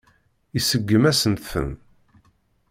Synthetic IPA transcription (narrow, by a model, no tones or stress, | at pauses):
isəɡːəmæsənt̪θə̰n